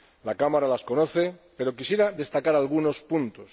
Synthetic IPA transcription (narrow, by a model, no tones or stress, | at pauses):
lakamaɾalasko̞noθe̞pe̞ɾo̞kisje̞ɾaðe̞st̪akaɾalɣ̞uno̞spunt̪os